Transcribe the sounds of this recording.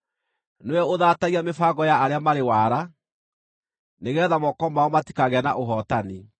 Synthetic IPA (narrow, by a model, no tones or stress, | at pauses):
noɛoðaːtaɣiamefaɣɔjaaɾeamaɾewaɾa | neɣɛːðamɔkɔmaɔmati̥kaɣɛnaʔoɦɔtani